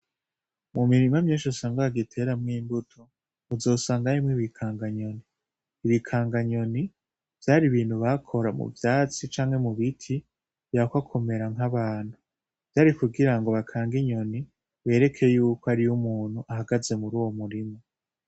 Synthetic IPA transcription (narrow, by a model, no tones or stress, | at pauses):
mumiɾimamɲiːnʃusaːŋɡaaɡitʰe̞ɾamŋiːmbutʰo | uzo̞ːsaːŋɡaɾimŋiβikʰaːŋɡaɲo̞niː | βikʰaːŋɡaɲo̞ni | v̥jaːɾiβiːn̥huβakʰo̞ɾamṵvjaːt͡sit͡ʃaːŋhe̞muβitʰi | v̥jakwakʰo̞me̞ɾaŋɦaβaːn̥hu | v̥jaːɾikuɡiɾaŋɡo̞βakʰaːŋɡiɲo̞ni | βe̞ːɾe̞kʰejuːkoaɾijumuːn̥huʔaɦaɡaze̞muɾuːwomuɾimo